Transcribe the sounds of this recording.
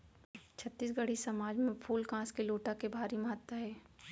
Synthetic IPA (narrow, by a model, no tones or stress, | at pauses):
t͡ʃʰət̪ːiːs̬ɡəɽ̤isɐmaːd͡ʒmẽpʰuːlkãːskeloːʈakebʱaːɾimɐɦət̪ːəɦɛː